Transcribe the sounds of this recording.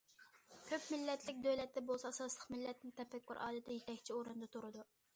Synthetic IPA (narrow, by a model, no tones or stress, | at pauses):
kʲʰøpmɪlːɛt̪ʰlɪkʲd̪øwlɛt̪ːɛbolˠsɑɑsɑslˠəqmɪlːɛt̪nɪŋt̪ʰɛpɛkʲːyɾʔɑ̰ːd̪ɨt̪ʰɛjet̪ʰɛkʲt͡ʃʰioɾɨnd̪ɑt̪ʰuɾɨd̪u